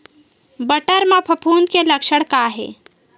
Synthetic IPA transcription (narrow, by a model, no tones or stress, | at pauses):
bəʈəɾmãpʰɐpʰuːnkelɐkʃəɽkaɦḛː